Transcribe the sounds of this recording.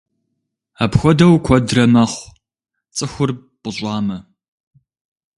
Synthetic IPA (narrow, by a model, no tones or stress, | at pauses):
aːpxʷɔdɐwkʷʰɔdrɐmɐχʷ | t͡sʼɨxʷʊr | pʼʊɕʷʼɑːmɐ